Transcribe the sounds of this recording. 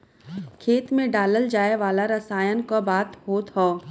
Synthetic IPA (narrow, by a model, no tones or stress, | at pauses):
kʰeːt̪mẽɖaːləld͡ʒaːeʋaːlaɾɐsaːjənkabaːt̪ɦoːt̪ɦoː